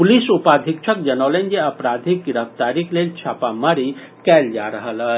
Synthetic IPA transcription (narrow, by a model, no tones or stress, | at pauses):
pulisupad̪ʱik̚t͡ʃʰək̚d͡ʒənalend͡ʒeəpɾad̪ʱik̚ɡɪɾəft̪aɾiklelt͡ʃʰapaməɾi | kɛld͡ʒaɾəɦəlɦə